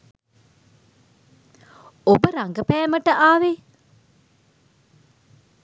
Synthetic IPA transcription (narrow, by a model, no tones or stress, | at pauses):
obəɾaŋɡəpæːməʈəʔaːʋe